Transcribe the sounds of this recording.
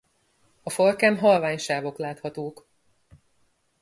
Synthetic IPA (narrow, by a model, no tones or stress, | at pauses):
ɒfolkɛnɦɒlvaːɲʃaːvo̞klaːt̪hɒt̪oːk